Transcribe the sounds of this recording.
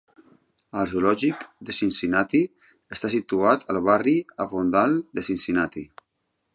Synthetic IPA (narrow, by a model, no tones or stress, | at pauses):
əlʒulɔʒikd̪əsinsinat̪i | əst̪asit̪uat̪ʰəlˠβariəfond̪alˠd̪əsinsinat̪i